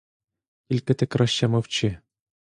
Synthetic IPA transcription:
kʲilʲkɘ̆t̪ɘ̆kʲrɑɕːɑmɤ̆ft͡ɕĕ

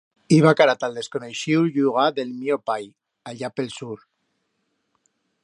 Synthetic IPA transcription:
iβakaɾat̪alˠd̪eskoneʃiwʎuɣ̞aðelmiopaj | aʎapelsuɾ

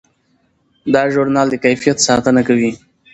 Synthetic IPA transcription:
d̪ɑʒʊɾnɑld̪əkajfijat̪sɑt̪ənakawi

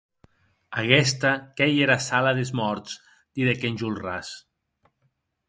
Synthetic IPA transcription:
aɣɛst̪akejeɾasalaðezmɔɾt̪s | d̪̥iðekenʲʒulˠras

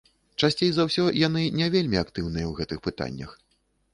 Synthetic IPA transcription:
t͡ʂasʲt͡sʲejzawsʲɔjan̪ɨnʲɛvʲelʲmʲiakt̪ɨwnɨjɐwɣɛt̪ɨxpɨt̪a̰nʲːɐ̰x

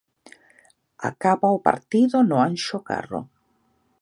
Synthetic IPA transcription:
a̰kaβaʊpa̰ɾt̪iðʊnʊanʃoka̰ro̰

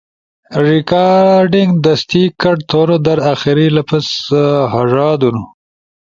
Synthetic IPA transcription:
ɾɪkaɖɪŋɡd̪ast̪ikaʈt̪ʰoɾod̪aɾaxiɾilapasɦaʐɑːd̪unu

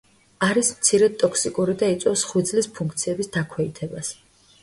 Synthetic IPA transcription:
aɾismt̪sʰiɾɛt̪ʼɔkʰsikʼuɾid̪ait̪sʼɛfsχwid̪zlispʰũŋkʰt̪sʰiɛbisd̪akʰwɛit̪ʰɛbas

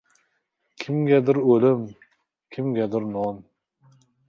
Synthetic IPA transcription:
kʲʰɪmɡʲɛd̪ɪɾɵlɪm | kʲʰɪmɡʲad̪ɪɾnɒn

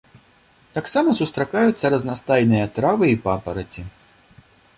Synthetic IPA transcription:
t̪aksamɐsust̪ɾakajut̪sːɐɾɐznast̪ajnɨjɐt̪ɾavɨipapɐɾɐt͡sʲi

